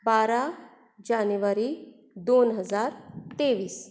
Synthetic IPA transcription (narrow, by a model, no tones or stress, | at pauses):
baːɾa | d͡ʒaːnuʋaɾi | d̪oːnɦəzaːɾt̪eːʋiːs